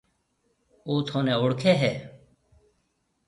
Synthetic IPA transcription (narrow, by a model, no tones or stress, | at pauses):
oːt̪ʰoːnɛ̃ːʊɽkʰeːɦɛː